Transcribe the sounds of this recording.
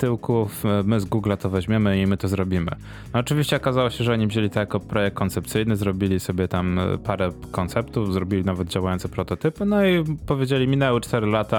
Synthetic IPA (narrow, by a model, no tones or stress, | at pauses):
t̪ɘwkufmɘzɡuɡlat̪ɔvɛʑmʲjemɘimɘt̪ɔzɾɔbʲimɘ̰ː | t͡ʂɘvʲiɕt͡ɕɛɔkazawɔɕɛʐɛɔɲivʑelʲit̪ɔjakɔpɾɔjɛk̚t̪̚kːɔnt̪sɛp̚t̪sɘjnɘzɾɔbʲilʲisɔbʲjɛt̪ampaɾɛ | kɔnt̪sɛpt̪ufzɾɔbʲilʲinavɛd̪̚d͡ʑawajɔnt̪sɛpɾɔt̪ɔt̪ɘpɘnɔipɔvʲjed͡ʑelʲimʲinɛwɘt͡ʂt̪ɛɾɘlat̪a